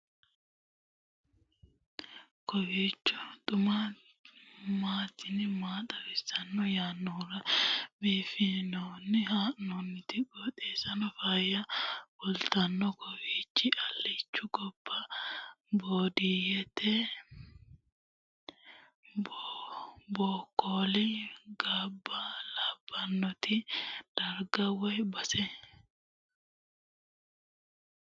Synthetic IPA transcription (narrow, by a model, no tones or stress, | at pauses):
kɔwiːt͡ʃːʊt̪ʼʊma | maːt̪ɪnɪmaːt̪ʼɐbɪsɐnːɔjaːnːɔːɾɐbeːfɪnɔːnːɪɦaːʔnɔnːɪt̪ɪɡot̪ʼeːsɐnɔfɐjɐbɔlt̪ɐnːɔkɔwiːt͡ʃːɪʔɐlːit͡ʃːʊɡɔb̥ːɐ | boːd̪ijɛt̪ɛ | b | boːkːoːlɪɡabːɐlabːɐnːɔt̪ɪd̪̥ɐɾɡɐwɐjbɐsɛ